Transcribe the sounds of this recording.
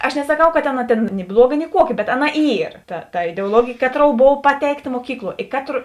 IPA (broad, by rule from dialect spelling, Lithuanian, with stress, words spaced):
ɐʃ nʲɛsɐˈkɐʊ ˈkɐ tʲeːn tʲeːn nʲɪ ˈblˠuɔˌɡɐ nʲɪ ˈkuɔˌkʲɪ bʲɛt ˈɑːˌnɐ ˈiːr tɐ tɐ ɪdʲɛʊɔˈlˠoːɡʲeːjeː ˈkɑːˌtroːʊ ˈboːʋɐ ˈpɑːtʲɛɪkˌtɐ muɔˈkʲiːklˠuɔ ɪ ˈkɑːtroː